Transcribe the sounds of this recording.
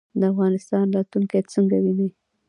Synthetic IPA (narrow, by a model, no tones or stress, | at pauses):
d̪əafɣɑnɪst̪ɑnɾɑt̪luŋkajt͡səŋɡawini